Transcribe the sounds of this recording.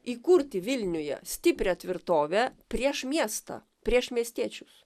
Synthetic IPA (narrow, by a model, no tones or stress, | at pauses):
iːkuɾʲt̪ʲɪʋʲɪlʲnʲʊjɛ̰sʲt̪ʲɪpʲɾʲɛɐt̪ʲʋʲɪɾt̪oːʋʲɛpʲɾʲiɛʃmʲiɛst̪ɑ̰ | pʲɾʲiɛʃmʲiɛsʲt̪ʲiɛt͡ʃʲʊs